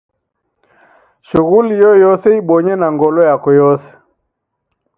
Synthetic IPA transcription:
ʃuɣulijɔjɔsɛiɓɔɲɛnaŋɡɔlɔjakɔjɔsɛ̥

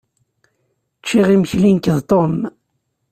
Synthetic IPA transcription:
t͡ʃːiʁimçlinkəðt̪om

